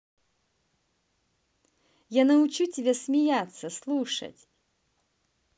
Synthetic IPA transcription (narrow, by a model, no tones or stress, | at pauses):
janɐʊt͡ɕutʲɪbʲesmʲɪjat̪sːəslˠuʂə̰tʲ